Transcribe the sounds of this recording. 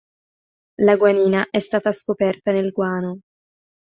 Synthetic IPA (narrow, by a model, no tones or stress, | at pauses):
laɡwaniːnaʔɛst̪aːt̪askopɛrt̪anelɡwaːno